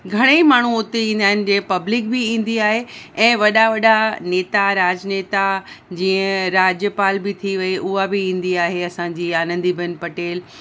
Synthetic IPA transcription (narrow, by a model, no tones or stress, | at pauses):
ɡʱɐɽ̃emaːɳ̤uʊt̪eĩːn̆d̪aːɦɪnɪ̆d͡ʑeːpɐblɪk̚bɪĩːn̆d̪iaːɦeɛ̃ːʋɐɗaʋɐɗaneːt̪aɾaːd͡ʑneːt̪a | d͡ʑĩːə̃ɾaːd͡ʑjəpaːlbɪt̪ʰiʋɐeʔʊɦabɪĩːn̆d̪iaːɦeɐsãd͡ʑiːaːnə̃nd̪ibʱənpɐʈeːl